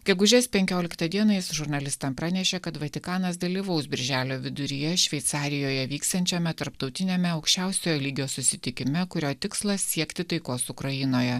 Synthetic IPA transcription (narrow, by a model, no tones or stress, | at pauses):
ɡʲɛɡʊʒʲɛspʲɛŋʲkʲoːlʲɪkt̪ɐd̪ʲiɛnɐɪsʒʊɾnɐlʲɪst̪ɐmpɾɑːnʲɛʃʲekɐt̪ʋɐt̪ʲɪkɑːnɐsd̪ɐlʲiːʋɒʊsbʲɪɾʲʒʲæːlʲoːʋʲɪd̪ʊɾʲijɛʃʲʋʲɛɪt̪sɑːɾʲɪjoːjɛʋʲiːkst̪ɐnʲt͡ʃʲɛmʲɛt̪ɐɾpt̪ɒʊt̪ʲɪnʲeːmʲɛɐʊkʃʲt͡ʃʲɛˑʊsʲoːjoːlʲiːɡʲoːsʊsʲɪt̪ʲɪkʲɪmʲɛkʊɾʲoːt̪ʲɪkslˠɐssʲiɛkt̪ʲɪt̪ɐɪkoːsʊkɾɐjɪnoːjɛ